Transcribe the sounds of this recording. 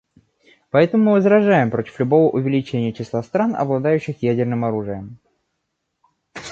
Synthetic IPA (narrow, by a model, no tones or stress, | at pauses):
pɐɛt̪əmʊmɨvəzɾɐʐajɪmpɾo̞tʲɪ̥flʲʊbo̞vəʔʊvʲɪlʲɪt͡ɕenʲɪjət͡ɕɪslˠast̪ɾanɐ̰blˠɐd̪ajʉɕːɪxjædʲɪrnɨmɐɾuʐɨjəm